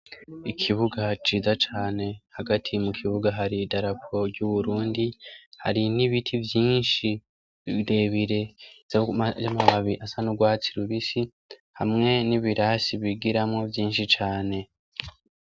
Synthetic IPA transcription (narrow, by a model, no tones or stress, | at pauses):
ikʰiβuɡat͡ʃiːzat͡ʃaːne̞haɡatʰimukʰiβuɡaɦaɾidaɾapʰo̞ɾɟuβuɾuːndiha̰ɾiniβitʰivjiːnʃi | de̞βiɾe̞zzamaβaβiʔasanuɡwaːt͡siɾuβisi | hamŋe̞niβiɾasiβiɡiɾamŋo̞vjiːnʃit͡ʃaːne̞